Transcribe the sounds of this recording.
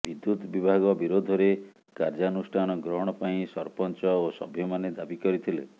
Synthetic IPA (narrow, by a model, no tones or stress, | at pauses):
bid̪jut̪bibʱaɡɔbiɾod̪ʱɔɾe | kaɾd͡ʒanusʈʰanɔɡɾɔɦɔɽ̃ɔpaĩsɔɾpɔnt͡ʃɔosɔ̰bʱjɔmaned̪abikɔɾit̪ʰilḛ